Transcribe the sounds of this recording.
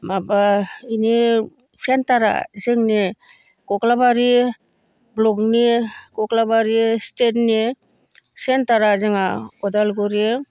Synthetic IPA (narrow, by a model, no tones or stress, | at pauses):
mabaini | sentaɾa̰zɯŋni | kɔklabaɾi | blɔknikɔklabaɾistetni | sentaɾazɯŋaɔdalɡɔɾi